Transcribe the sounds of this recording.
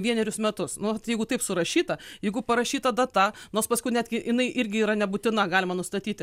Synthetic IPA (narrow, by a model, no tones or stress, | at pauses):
ʋʲiɛnʲɛɾʲʊsmʲɛt̪ʊsnʊɐt̪jɛɪɡʊt̪ɐɪpsʊɾɐʃʲiːt̪ɐjɛɪɡʊpɐɾɐʃʲiːt̪ɐd̪ɐt̪ɐnoːrspɐskʊɪnʲæːd̪ʲɡʲɪʔɪnɐɪʔɪɾʲɡʲɪiːɾɐnʲɛbʊt̪ʲɪnɐɡɑːlʲɪmɐnʊst̪ɐt̪ʲiːt̪ʲɪ